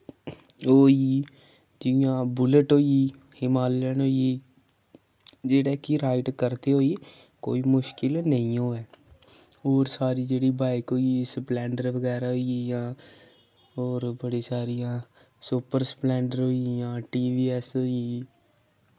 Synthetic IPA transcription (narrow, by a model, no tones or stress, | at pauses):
ɦoːi | d͡ʒijãːbʊləʈɦoːi | hɪmaːlːɛnɦoːi | d͡ʒeːɽekiɾaːɪʈkəɾt̪eɦoːi | ko̰ːimʊʃkɪlnəɦĩɦoːɛː | oːɾsaːɾid͡ʒeːɽibaːɪkɦoːisplɛ̃ːɳɖəɾʋəɡɛːɾaɦoiijãː | oːɾbəɽisaːɾijãː | supəɾsplɛ̃ːɳɖəɾɦoːijãːʈiːʋiːɛsɦoːi